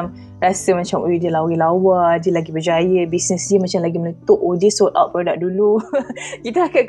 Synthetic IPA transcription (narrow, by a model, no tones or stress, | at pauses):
m | ɾasəmãt͡ʃamʔodiəlawilawadiəlaɡibəd͡ʒajəbisnəsdiəmat͡ʃamlaɡimənət̪ʊʔodiəsɔt̪a̰ʔ̚pəɾadaʔ̚dulukit̪aaka